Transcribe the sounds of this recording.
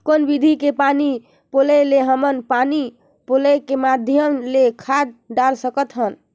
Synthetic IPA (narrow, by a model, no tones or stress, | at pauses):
konbid̪ʱikepani | poleleɦəmənpani | polekemad̪ʱjəmlekʰad̪̚ɖalsəkət̪ɦən